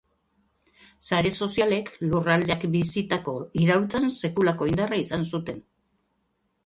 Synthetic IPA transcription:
saɾe̞so̞siale̞klurald̪eakbisit̪ako̞iɾawlt͡sanse̞kulako̞ind̪araisansut̪e̞n

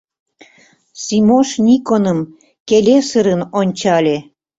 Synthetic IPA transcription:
simoʃnʲikonəm | kelʲesəɾənonʲt͡ɕɑlʲe

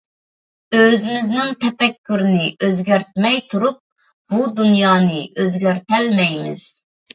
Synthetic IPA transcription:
øzɪmɪznɪŋt̪ʰɛpɛkʲːyɾɪnɪʔøzɡʲɛɾt̪̚mɛjt̪ʰuɾup̚ | b̥ud̪unjɑːnɨʔøzɡʲɛɾt̪ɛlmɛjmɪ̰z̥

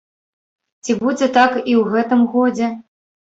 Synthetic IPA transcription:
t͡sʲibud͡zʲɛt̪akiwɣɛt̪ɨmɣɔd͡zʲɛ

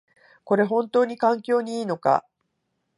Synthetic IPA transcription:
ko̞ɾe̞ɦõ̞nt̪o̞ːɲ̟ikãŋkʲo̞ːɲ̟iiːno̞ka̰

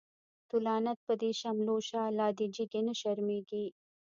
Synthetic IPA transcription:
t̪ulɑːnɐt̪̚pəd̪iʃɐmloːʃaːlɑːd̪id͡ʒiɡenəʃɐɾmeɡi

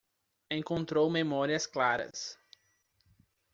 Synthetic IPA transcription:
ẽŋkõnt̪ɾowmemɔɾiɐsklaɾɐ̰s

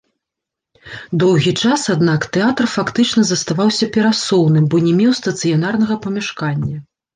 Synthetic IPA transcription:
d̪ɔwɣʲit͡ʂasad̪nakt̪ɛat̪rfakt̪ɨt͡ʂn̪ɐzɐst̪avawsʲɐpʲɛɾasɔwnɨmbɔnʲɛmʲewst̪ɐt̪sɨjan̪arnɐɣɐpɐmʲɛʂkanʲːɐ

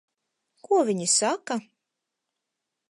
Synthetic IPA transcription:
kuɔvʲiɲisaka

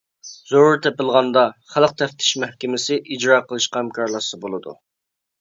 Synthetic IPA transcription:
zoɾuɾt̪ʰɛpɪlˠʁɑnd̪ɑχælˠəq̚t̪ʰɛft̪ʰɪ̥ʃmɛhkʲɪmɪsɪʔid͡ʒɾɑːqʰəlˠɨʃqɑhæmkʰɑɾlˠɑsɨbolˠɨd̪ṵ

